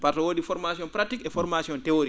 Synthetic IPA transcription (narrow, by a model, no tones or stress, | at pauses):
paɾtɔwodifɔɾmasiɔnpɾatikɛfɔɾmasiɔntɛoɾi